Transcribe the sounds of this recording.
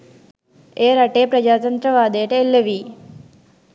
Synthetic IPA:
eːɾɐʈeːpɾɐd͡ʒaːt̪ɐnt̪ɾɐʋaːd̪eːʈɐelːɐʋi

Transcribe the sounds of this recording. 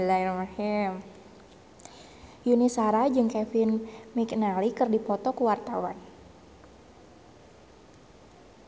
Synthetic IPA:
laiɾmahim | junisaɾad͡ʒɨŋkɛfɪnmiknalikərdipɔt̪ɔkuwart̪awan

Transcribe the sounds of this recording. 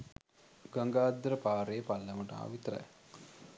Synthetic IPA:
ɡaŋɡaːd̪ɾəpaːɾejːpalːəmuʈa̰ːʋit̪əɾə̰j

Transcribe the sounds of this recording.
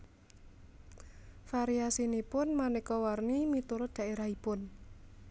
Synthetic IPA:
faɾiasinipʊnmanekɔwarnimit̪uɾʊd̪̥a̤ʔeɾaɦipʊn

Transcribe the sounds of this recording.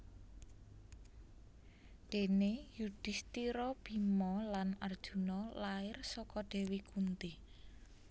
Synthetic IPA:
ɖ̥e̤nejud̥ɪ̤st̪iɾɔb̥i̤mɔlanard̥ʒ̥ṳnɔlaɪrsɔkɔɖ̥e̤wikunt̪i

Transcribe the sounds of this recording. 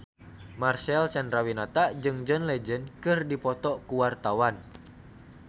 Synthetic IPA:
marsɛlt͡ʃɛndɾawinat̪aʔd͡ʒɨŋd͡ʒənlɛd͡ʒənkɨrdipɔt̪ɔkuwart̪awan

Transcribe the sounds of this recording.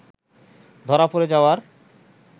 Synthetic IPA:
d̪ʱɔɾapoɾed͡ʑaoaɾ

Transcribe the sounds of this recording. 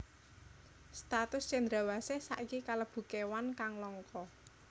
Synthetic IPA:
st̪at̪ʊst͡ʃɛnd̪ɾa̤wasesaʔikikaləb̥ṳkewankaŋlɔŋkɔ

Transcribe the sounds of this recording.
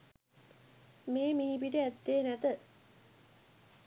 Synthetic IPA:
meːmiɦibiʈəæd̪ːeːnæt̪ə

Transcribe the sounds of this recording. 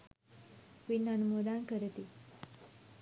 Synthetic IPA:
pinənumod̪ankəɾt̪i

